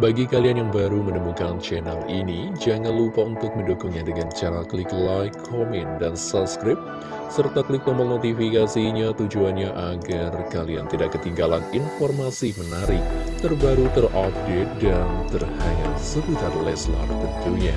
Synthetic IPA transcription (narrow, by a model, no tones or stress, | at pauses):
baɡikalianjaŋbaɾumənəmukant͡ʃɛnalinid͡ʒaŋanlupaunt̪ʊk̚məndokʊŋɲadəŋant͡ʃaɾaklɪklajkʰːɔmɛndansaskɾɪp̚ | sərt̪aklɪk̚pɔmənot̪ifikasiɲat̪ud͡ʒuanɲaʔaɡarkalia̰nt̪idaʔkːət̪iŋɡalaninfɔrmasimənaɾɪk̚t̪ərbaɾut̪ərʔɔp̚det̪̚dant̪ərhaŋa̰səbut̪adalɛsəla̰mat̪ənt̪uɲa